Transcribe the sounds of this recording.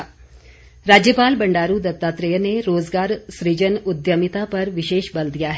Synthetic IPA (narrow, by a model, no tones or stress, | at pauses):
ɾaːd͡ʑjəpaːlbɐ̃ɳɖaːɾud̪ɐt̪ːaːt̪ɾəjəneɾoːzɡaːɾsɾid͡ʒənʊd̪jəmit̪apɐɾʋɪʃeːʃbɐld̪ijaɦɛ